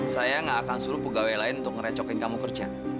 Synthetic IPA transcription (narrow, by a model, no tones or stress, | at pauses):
sajaŋɡaʔːkansuɾʊpəɡawelaɪnunt̪ʊk̚ŋəɾɛt͡ʃɔkɪnkamukərt͡ʃa̰